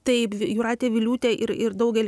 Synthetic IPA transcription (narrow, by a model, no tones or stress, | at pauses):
t̪ɐɪpjuːɾɑːt̪ʲeːʋʲɪlʲuːt̪ʲeʔɪɾɪɾd̪ɐʊɡʲɛlʲ